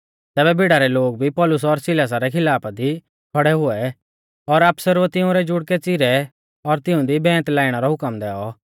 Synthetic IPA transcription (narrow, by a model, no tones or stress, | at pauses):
t̪ɛːbɛbʱɪɽaɾɛloːɡ̚bʱipɔːlʊs̬ɔɾsɪlaːs̬aɾɛkʰɪlaːpad̪i | kʰɔɽɛɦʊɛ | ɔɾɐpsəɾʋət̪ɪũɾɛd͡ʒʊɽkɛt͡sɪɾɛ | ɔɾt̪ɪ̃ũd̪ibɛ̃ːt̪laːiɽ̃aɾɔɦʊkəmd̪ɛːɔ